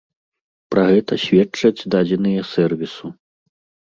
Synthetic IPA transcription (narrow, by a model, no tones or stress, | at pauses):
pɾɐɣɛt̪ɐɕʲvʲɛt͡ʂɐd͡zʲd̪ad͡zʲɛnɨjɐsɛrvʲisu